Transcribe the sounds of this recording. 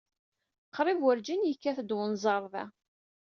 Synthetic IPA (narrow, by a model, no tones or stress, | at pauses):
qːɾˤɪvwəɾd͡ʒinjəkːæθəd̪wənzˤɑɾˤðæ̰